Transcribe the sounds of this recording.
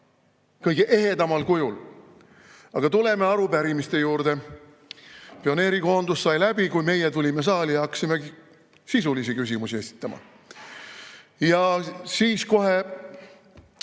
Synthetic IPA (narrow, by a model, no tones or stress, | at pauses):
kɤjɡ̥eʔe̞ɦed̪ɑmɑlkujul | ɑɡ̥ɑt̪ule̞me̞ɑɾupæɾimist̪e̞juːɾd̪̥e̞ | pio̞ne̞ːɾiko̞ːnd̪ussɑjlæb̥ikujme̞jet̪ulʲime̞s̬ɑːlijɑɑkːɑ̥sime | sisulisikys̬ʲimusie̞si̥t̪ˑːɑmɑ̰ | jɑsiːsko̞ɦe̞